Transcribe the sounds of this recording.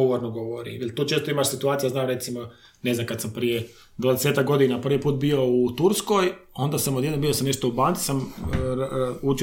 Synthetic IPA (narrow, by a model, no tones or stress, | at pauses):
oʋoɾnoɡoʋoɾḭmjelʲt̪uːt͡ʃeːst̪oimaʃsit̪uaːt̪sijaznaːmɾe̞t̪simo | neznamkad̪sampɾije | d̪ʋaːd̪eset̪ak̚ɡo̞d̪inapr̩ʋipuːt̪̚bio̞ut̪uɾskojo̞nd̪aːsamod̪jeanbijo̞samne̞ʃt̪oubaːnsi̥sam | ut͡ʃ